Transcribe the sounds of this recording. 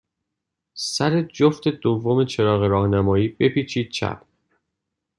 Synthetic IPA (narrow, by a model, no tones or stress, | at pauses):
sæɾe̞d͡ʒoft̪ʰe̞d̪ovːome̞t͡ʃʰe̞ɾɒːɣeɾɒːhnæmɒːjiːb̥e̞piːt͡ʃʰiːd̪̥̚t͡ʃʰæ̰p̚ʰ